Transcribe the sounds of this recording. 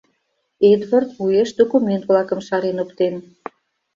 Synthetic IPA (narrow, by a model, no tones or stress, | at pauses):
ed̪vɑrt̪βujeʃd̪okument̪vlɑkə̆mʃɑɾenokt̪en